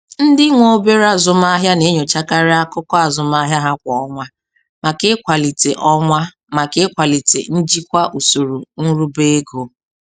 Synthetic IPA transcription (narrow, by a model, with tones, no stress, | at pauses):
n̩˦dɪ˦ŋʷo˦be˦ɾa˨zʊ˨m˦a˦ɦja˦ne˨˦ɲo˨t͡ʃa˦ka˦ɾɪ˦a˦kʊ˦kɔ˦a˨zʊ˨m˦a˦ɦja˦ɦa˦kʷɔ˨ɔ˦ŋʷa˦ | ma˨ke˦kʷa˨li˨te˨ʔɔ˦ŋʷa˦ | ma˨ke˦kʷa˨li˨tḛ˨n̩˦d͡ʒi˦kʷa˦ʔu˨su˨ɾu˨ŋ̩˦ɾu˦be˦e˦ɡo˨